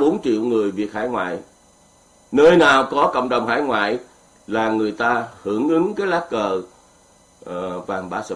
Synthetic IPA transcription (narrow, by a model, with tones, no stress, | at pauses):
ɓo˨˦nt͡ɕḭ˧˨əwŋɨ˨˩əjvi˨˩ət̚ha̰ː˧˥˩jŋwa̰ː˧˨j | nəː˧jnaː˨˩wkɔ˨˦kə̰˧˨wŋ͡mɗə˨˩wŋ͡mha̰ː˧˥˦jŋwa̰ː˧˨j | laː˨˩ŋɨ˨˩əjt̪aː˧hɨ˧˩əŋʔɨ˨˦ŋkaː˨˦jlaː˨˦˥kkəː˨˩ | vaː˨˩ŋɓaː˧˩sə˧˨